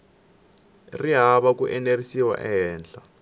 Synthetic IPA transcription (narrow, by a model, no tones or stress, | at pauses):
riɦaβakuʔɛnerisiwa̰ʔɛɦɛːnd͡ɮa